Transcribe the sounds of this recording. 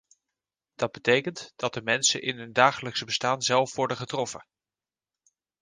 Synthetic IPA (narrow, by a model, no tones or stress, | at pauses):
d̥ɑd̚bətejkəntd̥ɑt̚dəmɛnsə̰ʔɪnɦɵndaːχələksəbəstaːnzɛlˠfʋɔɹdəχətrɔfə